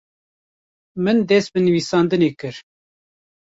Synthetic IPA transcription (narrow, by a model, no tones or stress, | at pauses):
mɨnd̪ɛs̚bɨnɨviːsɑːnd̪ɨneːkɨɾ